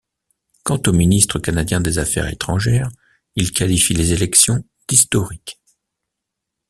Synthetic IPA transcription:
kɑ̃t̪ominist̪χəkanad̪jɛ̃d̪ezafɛ̰ʁḛt̪χɑ̃ʒɛːʁ | ilkalifilezelɛksjɔ̃ | d̪̥ist̪ɔʁik

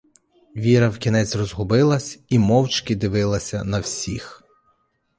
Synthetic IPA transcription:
ʋʲiɾɐwkʲinɛt͡sʲrɔzɦʊbɪlˠɐsʲimɔwt͡ʃkɪd̪ɪʋɪlˠɐsʲɐnɐwsʲix

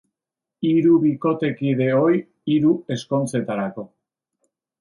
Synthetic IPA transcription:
iɾuβiko̞t̪e̞kiðe̞o̞j | iɾue̞sko̞nt͡se̞t̪aɾako̞

